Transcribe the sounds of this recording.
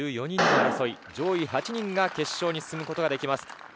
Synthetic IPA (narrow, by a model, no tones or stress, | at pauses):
ɯːjo̞ɲ̟ĩɲ̟ːiaɾaso̞id͡ʑo̞ːiɦat͡ɕiɲ̟ĩŋɡake̞ɕːo̞ːɲ̟isɨ̥sɨmɯ̟ko̞t̪o̞ɡad̪e̞kʲimasɨ̥